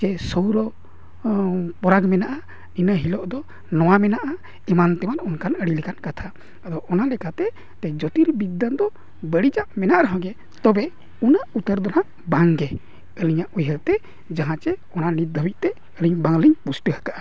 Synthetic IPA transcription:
t͡ʃɛsɔwɾɔ | pɔɾaɡmɛnaʔa | inəɦilɔʔd̪ɔ | nɔwamɛnaʔa | ɛmant̪ɛmanɔnkanəɽilikankat̪ʰa | ad̪ɔʔɔnalɛkat̪ɛ | t̪ɛd͡ʒɔt̪iɾbid̪ːand̪ɔ | bəɽid͡ʒaʔmɛnaʔɾɔɦɔ̃ɡɛ | t̪ɔbɛ | unaʔut̪əɾd̪ɔnaʔ | baŋɡɛ | əliɲaʔujɦɛlt̪ɛ | d͡ʒaɦãt͡ʃɛɔnanit̪̚d̪ʱəbiˀt̪ɛ | əliɲbaŋliɲpusʈəhəkaʔa

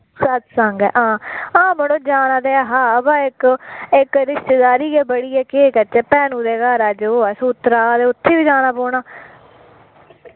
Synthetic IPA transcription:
sət̪səŋɡɛ̰ːʔãːãːbəɽoːd͡ʒaːnaːd̪eːaːɦãːəbãːɪkɪkɾɪʃt̪eːd̪aːɾiːɡeːbəɽiːɛːkeːkət͡ʃɛːpɛːnũːd̪eːɡaːɾaːd͡ʒoɛːsuːt̪ːɾaːd̪eːʊt̪ʰːeːʋiːd͡ʒaːnaːpoːɳaː

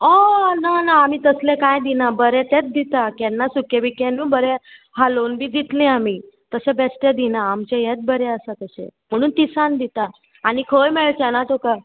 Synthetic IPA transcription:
ɔnanaːmiːt̪əslẽkajd̪inabəɾɛ̃t̪ɛ̃t̪̚d̪it̪akɛ̃nːasukebikẽnuːbəɾɛhalonbʱiːd͡ʑit̪lẽami | t̪əsẽbɛsʈẽd̪inaːmt͡ɕejɛt̪̚bəɾɛəsat̪əsḛ̃m̤əɽ̃uːnt̪isand̪it̪a | aɽ̃ikʰəjmeɭt͡ɕɛnat̪oka

